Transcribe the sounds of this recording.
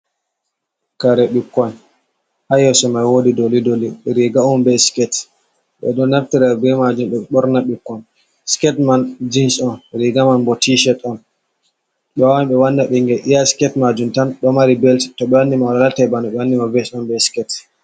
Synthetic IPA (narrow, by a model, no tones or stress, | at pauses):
kaɾɛɓikːɔn | hajɔsɔmajwoːdidolidoliɾiɡaɔnbɛskɛt | ɓɛ̰ɗɔnaftiɾabɛmad͡ʒumɓɛɓɔɾnaɓikːɔn | skɛtmand͡ʒinsɔnɾiɡamanbɔtiʃɛtɔn | ɓɛwamɓɛwanːaɓɛŋɡɛʔijaskɛtmad͡ʒumtanɗɔmaɾibɛltitɔɓɛwanːimalalatɛbanɔɓɛwanːimavɛsɔnbɛskɛt